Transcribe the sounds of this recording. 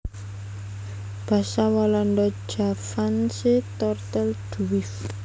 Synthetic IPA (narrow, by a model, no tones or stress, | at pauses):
b̥a̤sawalɔnd̪ɔd̥ʒ̥a̤fanset̪ɔrt̪əld̥uwɪf